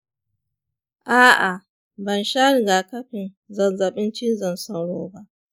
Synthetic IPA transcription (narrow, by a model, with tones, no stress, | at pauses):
ʔaː˦ʔa˨ | bɐ˨nʃa˦ɾɡa˨kɐ˦ɸɪ˨n | zɐ˨nzɐ˨ɓɪ˦nt͡ʃɪ˦nzɐ˨nsa˦wɽoː˦ba˦ʔ